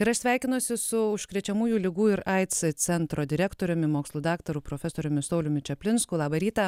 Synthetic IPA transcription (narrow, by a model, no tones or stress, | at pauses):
ɪɾɐʃsʲʋʲæˑɪkʲɪnʊsʲɪsʊʊʃkɾʲɛt͡ʃʲɛmuːjuːlʲɪɡuːɪɾɐɪt̪sɨt͡s̪ʲɛnt̪ɾoːd̪ʲɪɾʲɛkt̪oːɾʲomʲɪmoːkslˠuːd̪ɑːkt̪ɐɾuːpɾoːfʲɛsoːɾʲʊmʲɪsɔʊlʲʊmʲɪt͡ʃʲɛpʲlʲɪnskuːlˠɑːbɐɾʲiːt̪ɐ